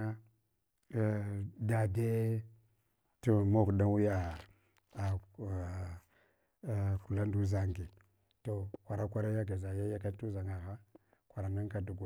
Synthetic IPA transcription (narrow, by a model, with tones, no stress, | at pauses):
a˦˨ | da˨de˦ | tu˦mo˦˨kda˦wu˦jaː˨ | ku˨la˦n˦du˦za˨ŋɡi˨ | to˨kʷa˨ɾa˦kʷa˦ɾa˦ja˦ɡ̬e˨za˨ja˦ja˦ka˦tu˦za˨ŋa˨ɣa˦ | kʷa˨ɾa˨me˦ŋ˦ka˨du˨ɡ